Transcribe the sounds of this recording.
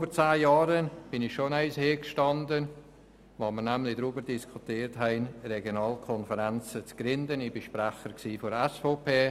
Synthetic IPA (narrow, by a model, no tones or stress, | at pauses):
bəɾt͡saːjaːɾənb̥ɪnɪxʃonɛɪsheːkʃtɑndən | voməɾnɛmlɪdɾyːbəɾd̥iskʰutiːɾtɦɛɪnrɛɡjonɑːlkʰɔnfəɾɛnt͡sət͡sɡ̥ɾɪndənɪbɪʃpræχəɾksiːfoɾɛsfoːpʰeː